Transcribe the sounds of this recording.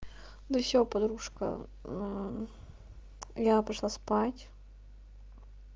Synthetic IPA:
d̪əfsʲopɐd̪ɾuʂkə̰ | japɾaʂlˠaspatʲ

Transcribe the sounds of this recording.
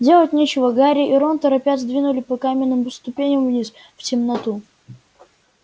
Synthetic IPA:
dʲe̞lˠətʲnʲet͡ɕɪvəɡaɾʲɪʔiɾont̪əɾɐpʲadʲzd̪vʲinʊlʲɪpɐkamʲɪnːɨmpəst̪ʊpʲenʲəmvnʲis | ftʲɪmnɐt̪u

